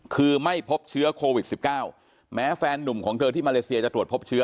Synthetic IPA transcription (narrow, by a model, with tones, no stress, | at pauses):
kʰɯː˧ma˥˩jpʰo˦˥p̚t͡ɕʰɯ˦˥ɐkʰoː˧wi˨˩t̪̚si˨˩p̚kaː˥˩w | mɛː˦˥fɛː˧nːu˨˩mkʰɔː˩˦ŋt̪ʰɤː˧t̪ʰiː˥˩maː˧leː˧si˧ɐt͡ɕa˨˩t̪ɾu˨˩ət̪̚pʰo˦˥p̚t͡ɕʰɯ˦˥ɐ